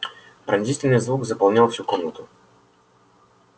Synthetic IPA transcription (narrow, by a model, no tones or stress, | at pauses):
pɾɐnʲzist̪vɛnijəzvukzɐpɐlˠnʲalˠfsʲukɔmnət̪ʊ